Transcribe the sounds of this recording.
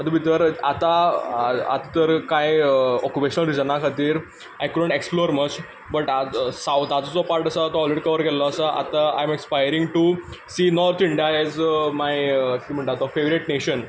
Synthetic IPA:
ət̪ubʱit̪əɾat̪a | a̰t̪t̪əɾkãjɔkupeɕənəlɾid͡zənakʰat̪iːɾ | ajkuɖəɳʈeksploɾmət͡ɕ | bəʈasawt̪ad͡zɔt͡sɔpaɾʈəsat̪ɔɔlɦɾeɽikəʋəɾkɛlɔːsəʔa̰t̪aa̰jmekspajɾĩŋɡʈusiːnɔɾt̪ʰiɳɖijaɛzmajkim̤əɳʈat̪ɔfeʋɾiʈneɕən

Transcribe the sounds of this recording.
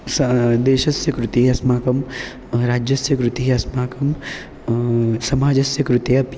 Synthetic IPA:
sd̪eːʃɐsjɐkɾut̪iɦɐsmaːkɐm | ɾaːd͡ʒjɐsjɐkɾut̪iɦɐsmaːkɐm | sɐmaːd͡ʒɐsjɐkɾut̪eɐp

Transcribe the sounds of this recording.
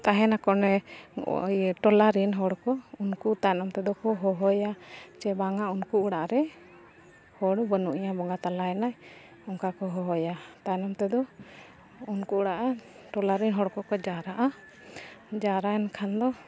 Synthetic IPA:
t̪aɦɛnakɔnɛ | jʈɔlaɾinɦɔɽkɔunkut̪ajnɔmt̪ɛd̪ɔkɔɦɔɦɔjat͡ʃɛbaŋaunkuuɽaʔɾɛ | hɔɽbənuʔiɲabɔŋɡat̪alaɛnaj | ɔŋkakɔɦɔɦɔjat̪aɛnɔmt̪ɛd̪ɔ | unkuuɽaʔa | ʈɔlaɾinɦɔɽkɔkɔd͡ʒaɾaʔa | d͡ʒaɾaɛnkʰand̪ɔ

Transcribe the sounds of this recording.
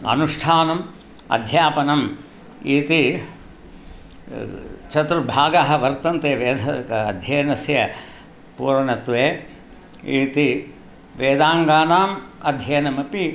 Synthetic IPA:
ɐ̰nuʂʈʰaːnɐm | ɐ̰d̪ʱjaːpɐnɐm | iːt̪i | t͡ʃɐt̪ɾubʱaːɡaɦɐ̆ʋɐɾt̪ɐnt̪eːʋeːd̪ʱɐkɐɐd̪ʱjeːnɐsjɐ | puːɾɐɳɐt̪ʋeː | iːt̪i | ʋeːd̪aːŋɡaːnaːmɐd̪ʱjɐːnɐmɐpi

